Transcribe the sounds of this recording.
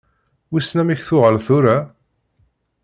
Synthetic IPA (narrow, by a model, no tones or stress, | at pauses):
wisnæmiçθʊʁəlθuɾa